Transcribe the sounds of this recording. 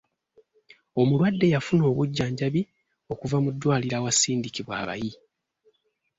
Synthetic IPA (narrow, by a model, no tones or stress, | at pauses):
o̞mulwadːe̞jafuno̞ːβuɟːaːɲɟaβi | o̞kuvamudːwaːliɾawasiːndikiβwa̰ːβa̰ji